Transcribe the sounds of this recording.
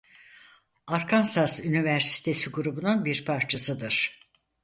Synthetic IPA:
aɾkʰansazynivæɾsi̥t̪ʰe̞siɡuɾubununbiɾpʰaɾt͡ʃʰasɯd̪ɯɾ̥

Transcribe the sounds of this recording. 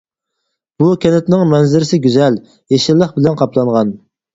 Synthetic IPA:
b̥ukʲɛnɪt̪nɪŋmɛnzɪɾɪsɪɡʲyzɛl | jeʃɪlːəχbɪlɛnqʰɑpʰlˠɑɴʁɑn

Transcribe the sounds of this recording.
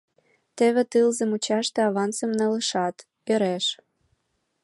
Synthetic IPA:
t̪ĕβĕt̪ɯlzə̆mut͡ɕɑʃt̪ĕɑβɑnt͡sə̆mnɤ̆lə̆ʃɑt̪ | øɾeʃ

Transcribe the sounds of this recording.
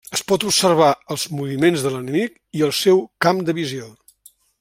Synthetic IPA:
əspɔt̪upsərβ̞aəlˠzmuβimenzðələnəmik | iəlˠsɛwkamd̪əβizio

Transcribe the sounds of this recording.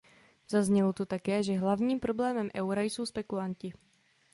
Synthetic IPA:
zazɲɛlot̪ot̪akɛːʒɛɦlavɲiːmpɾo̞blɛːmɛmʔɛwɾajso̞wspɛkulancɪ

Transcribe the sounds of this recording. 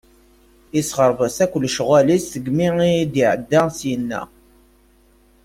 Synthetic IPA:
isʁəɾˤvəsækʷəlʃʁælisθəɡmiid̪iʕəd̪ːæsjənːæ̰

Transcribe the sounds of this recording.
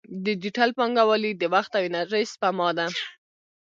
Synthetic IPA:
d̪əd͡ʒiʈalpɑŋɡawalid̪əwaxt̪awinaɾespamɑd̪a

